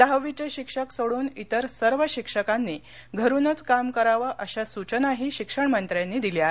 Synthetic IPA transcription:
d̪̥aɦʋit͡ɕeɕikʂəksoɽuːnit̪əɾsəɾʋəɕikʂəkanːiː | ɡʱəɾunət͡skamkəɾaʋaʔəɕasut͡ɕənaɦiɕikʂəɳmənt̪ɾjanːiːd̪ilja

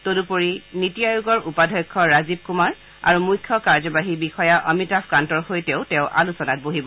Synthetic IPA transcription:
todupoɹinitijajuɡɔɹupadʱɔjkʰːɔɹazib̚kumaɹ | a̰ɹumujkʰːɔkaɹzɔbaɦibixɔjaʔɔmitapʰkantɔɹxojtɛʊtɛ̃ʊʔa̰lusɔnat̚boɦibɔ

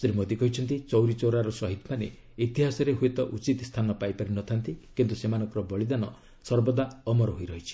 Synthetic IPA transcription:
sɾimod̪ikɔɦit͡ʃʰɔnt̪it͡ʃɔwɾit͡ʃoɾaɾɔsɔɦit̪manḛ | it̪iɦasɔɾeɦuet̪ɔʔut͡ʃit̪st̪ʰanɔpajpaɾinɔt̪ʰant̪ikint̪usemanɔŋkɔɾɔbɔɭid̪anɔ | sɔɾbɔd̪aɔmɔɾɔɦojɾɔɦit͡ʃʰi̥

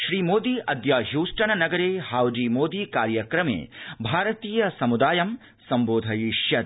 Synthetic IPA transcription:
ʃɾiːmoːd̪iːʔɐd̪jaːɦjuːsʈɐɳɐnɐɡɐɾeːhaːwd͡ʒiːmoːd̪iːkaːɾjɐkɾɐmḛːbʱaːɾɐt̪iːjɐsɐmud̪aːjɐm | sɐmboːd̪ʱɐjiʃjɐt̪

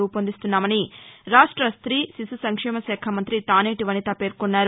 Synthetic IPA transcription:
uːpond̪ist̪unːaːmɐniɾaːʂʈɾɐst̪ɾiːsisusɐŋkʂɛːmɐsɛːkʰɐmɐnt̪ɾit̪aːneːʈiʋɐnit̪ɐpe̞ːɾkonːaːɾu

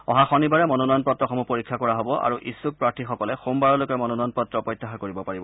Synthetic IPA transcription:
ɔɦaxɔnibaɹɛmɔnɔnɔjɔnpɔtɹɔxɔmupoɹikʰːakɔɹaɦobɔʔa̰ɹuʔisːuk̚pɹaɹtʰixɔkɔlɛxombaɹɔlojkɛmɔnɔnɔjɔnpɔtɹɔpɹɔjt̪ːaxakoɹibɔpaɹibɔ

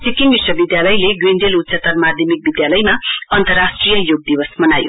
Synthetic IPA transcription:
t͡sikiŋbiswʌbid̪jalʌjleɡweɳɖelut̪ːsʰʌt̪ʌrmad̪ʱjʌmik̚bid̪jalʌjmaʌnt̪ʌrasʈrijʌjoɡ̚d̪ibʌsmʌnajo̰

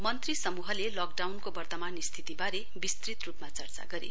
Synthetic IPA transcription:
mʌnt̪risʌmuɦʌlelʌk̚ɖawnkobʌrt̪ʌmanist̪ʰit̪ibaɾe | bist̪rit̪rupmat͡sʌrt͡sa̰ɡʌɾḛ

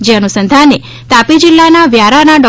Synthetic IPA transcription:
d͡ʒeənusənd̪ʱane | t̪apid͡ʒilːanaʋjaɾanaɖɔ

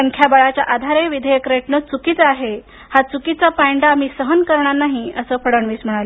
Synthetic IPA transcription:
əŋkʰjabaɭat͡ɕjaʔad̪ʱaɾeʋid̪ʱejəkɾeʈnət͡sukit͡saɦe | hat͡sukit͡sapaɳɖamiːsəɦənkəɾɳ̃anaɦiəsəːfəɽəɳʋiːsm̤əɽ̃alə

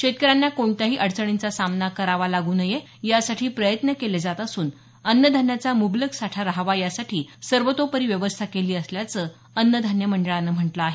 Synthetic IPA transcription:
ɕet̪̚kəɾanjakoɳt̪aɦiːʔəɽt͡səɽ̃int͡sasamnakəɾaʋalaɡuːnəje | jasaʈʰiːpɾəjət̪nəkeled͡zat̪əsuːn | ənjəd̪ʱanjat͡samubləksaʈʰaɾaɦʋajasaʈʰiːsəɾʋət̪opəɾiːʋjəʋəst̪ʰakeliːəsljat͡səː | ənjəd̪ʱanjəməɳɖəɭanːəm̤əɳʈləaɦe

